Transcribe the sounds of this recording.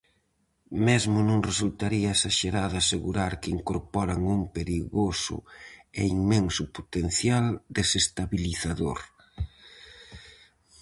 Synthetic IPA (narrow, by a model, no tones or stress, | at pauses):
mezmʊnõŋresult̪aɾiɐesaʃeɾaðaseɣuɾaɾkɪiŋkoɾpɔɾaŋumpeɾiɣosʊ̰eiŋmeŋsʊpot̪en̟θjald̪esest̪aβiliθaðoɾ